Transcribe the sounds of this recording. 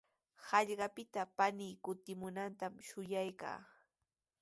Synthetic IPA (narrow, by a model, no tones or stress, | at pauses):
hɑʎɢɑpɪt̪apaniːkʊt̪ɪmʊnant̪amʃʊjajka̰ː